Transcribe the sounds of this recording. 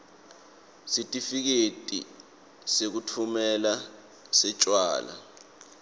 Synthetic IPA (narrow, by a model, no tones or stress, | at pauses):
sitʼifik̬etʼḭ | sek̬utʰumɛla | sɛt͡ʃʼwa̰ːla̰